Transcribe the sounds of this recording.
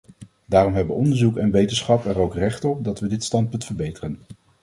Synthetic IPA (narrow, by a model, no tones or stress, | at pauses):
daːrɔmɦɛbʋəɔndəɹzukɛnʋejtənsχɑpɛɹowkrɛχtɔp̚dɑtʋədɪtstɑnt̚pɵntfəɹbejtərən